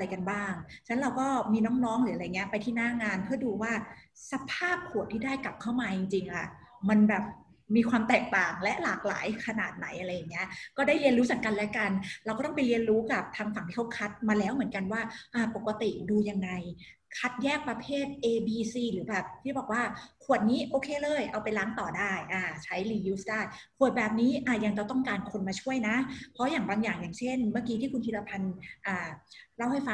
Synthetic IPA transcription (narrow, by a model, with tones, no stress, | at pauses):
a˧jka˧nbaː˥˩ŋt͡ɕʰa˦˥nɾa˧wkɔː˥˩miː˧nɔː˦˥ŋnɔː˦˥ŋɾɯː˩˦a˧a˧jŋːi˦ɐpa˧jt̪ʰiː˥˩naː˥˩ŋaː˧npʰɯ˥˩ɐduː˧waː˥˩ | sa˧pʰaː˥˩p̚kʰu˨˩ət̪ʰːiː˥daː˥˩jka˨˩p̚kʰa˥˩wmaː˧t͡ɕi˧ŋt͡ɕi˧ŋʔa˨˩ʔ | ma˧nbɛː˨˩p̚ | miː˧kʰwaː˧mt̪ɛː˨˩k̚t̪aː˨˩ŋlɛ˦˥ʔlaː˨˩k̚la̰ː˩˦jkʰa˧naː˨˩t̪̚na˩˦jʔa˧ɾa˧jːa˨˩ŋːi˦˥ɐʔkɔː˥˩daː˥˩jli˧ənɾuː˦˥sa˩˦nka˧nlɛ˦˥ka˧nɾa˧wkɔː˥˩t̪pa˧jli˧ənɾuː˦˥ka˨˩p̚t̪ʰaː˧ŋfa˨˩˦ŋt̪iː˥˧˥wkʰa˦˥t̪̚maː˧lɛː˦˥wmɯ˩˦ənka˧nwaː˥˩ʔaː˧˩po˨˩kːa˧t̪i˨˩ʔduː˧ja˧ŋːa˧j | kʰa˦˥t̪̚jɛː˥˩k̚pɾa˧pʰeː˥˩t̪̚ʔeː˧biː˧siː˧lɯː˩˦bɛː˨˩p̚t̪ʰiː˥˩bɔː˨˩k̚waː˥˩kʰu˨˩ət̪̚niː˦˥ʔoː˧kʰeː˧lɤː˧˩jʔa˧wpa˧jlaː˦˥ŋt̪ɔː˨˩daː˥˩jʔaː˧˩t͡ɕʰa˦˥jliː˧juː˦˥sdaː˥˩jkʰu˨˩ət̪̚bɛː˨˩p̚niː˦˥ʔaː˧˩ja˧ŋt͡ɕa˨˩t̪ɔ˥˩ŋkaː˧nkʰo˧nmaː˧t͡ɕʰu˥˩əjna˦˥pʰɔ˦˥jaː˨˩ŋbaː˧ŋjaː˨˩ŋjaː˨˩ŋt͡ɕʰe˥˩nmaː˧˥˩kiː˧t̪ʰiː˥˩kʰu˧nt̪ʰi˧˩la˧pʰa˧nʔaː˨˩ɾa˧˥˩wha˥˩jfa˧˩